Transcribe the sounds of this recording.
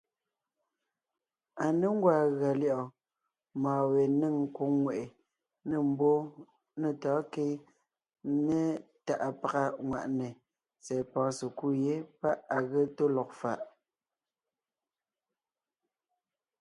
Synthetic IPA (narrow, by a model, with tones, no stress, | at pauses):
a˨ne˦ŋ˦ɡwa˨ɣɰa˨lji˦˨ʔɔ˨ | maː˨we˨ne˦˨ŋ˦ku˨˦ŋwe˨ʔe˨ | ne˦˨m̩˦bo˦ | ne˨tɔː˨˦ke˦ | nɛ˦ | ta˨ʔa˨pa˨ɣa˦ŋwa̰˨ʔnɛ˨ | t͡sɛ˨pɔ̃ː˨˦se˨ku˦˨je˦pa˦ʔa˨ɣe˦to˦lɔ˨k̚fa˦˨ʔ